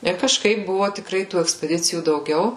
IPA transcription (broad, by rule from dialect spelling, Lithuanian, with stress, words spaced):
ɪr kɐʃˈkɐɪp ˈbʊʋoː tʲɪkˈrɐɪ tuː ɛksʲpʲɛˈdʲɪt͡sʲɪjuː dɐʊˈɡʲɛʊ